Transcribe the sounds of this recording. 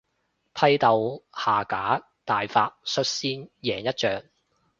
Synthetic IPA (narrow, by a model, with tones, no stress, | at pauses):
pʰɐ˧˥jt̪ɐ˨whaː˨˩kaː˨˥ | t̪aː˨jfaː˧t̚sɵ˧t̚siː˥njɛː˨˩ŋjɐ˥t̚t͡ʃœː˨ŋ